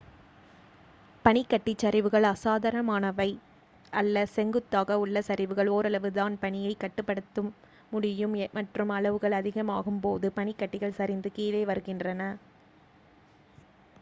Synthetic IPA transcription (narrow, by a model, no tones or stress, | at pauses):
pɐnɪkːɐʈːɪt͡ʃːɐɾɪʋɯɣɐɭɐsaːðɐɾɐmaːnɐʋɐɪ | ʔɐlːɐsɛŋɡɯt̪ːaːɣɐʊɭːɐsɐɾɪʋɯɣɐɭoːɾɐɭɐʋɯðaːnpɐɳɪjɐɪkːɐʈːɯpːɐɽɯt̪ːɯmː | ʊɽɪjɯmmɐʈrɯmɐɭɐʋɯɣɐɭɐðɪɣɐmaːɣɯmpoːðɯpɐɳɪkːɐʈːɪɣɐɭsɐɾɪnd̪ɯkiːleːʋɐɾɯɣɪndrɐnɐ